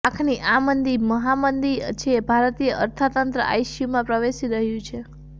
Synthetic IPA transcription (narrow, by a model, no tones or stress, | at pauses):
akʰniʔamənd̪iməɦamənd̪it͡ʃʰebʱaɾt̪ijəʔəɾt̪ʰat̪ənt̪ɾə̰ʔa̰jʃjumãpɾəʋeʃiɾəɦjũt͡ʃʰe